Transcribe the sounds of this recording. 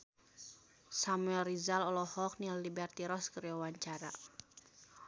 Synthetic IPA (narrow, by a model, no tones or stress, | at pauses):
samuɛlrizalɔlɔhɔk̚nilːibɛrt̪iɾɔskəɾiawaɲt͡ʃaɾa̰